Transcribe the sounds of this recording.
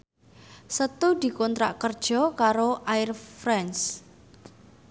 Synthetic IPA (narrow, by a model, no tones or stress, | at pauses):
sət̪ud̪̥i̤kɔnt̪ɾa̰ʔkərd̥ʒ̥ɔ̤kaɾoʔaɪrfɾɛns